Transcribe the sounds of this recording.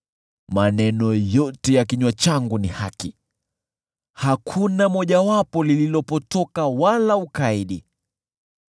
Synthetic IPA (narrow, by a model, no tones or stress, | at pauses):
manɛnɔjɔtɛjakiɲwat͡ʃaŋɡunihaki | hakʰunamɔʄawapɔlililɔpɔtɔkawalaukaiɗi